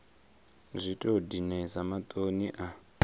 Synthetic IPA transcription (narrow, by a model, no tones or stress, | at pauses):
zʷitʼodinɛzamat̪ʼoniʔa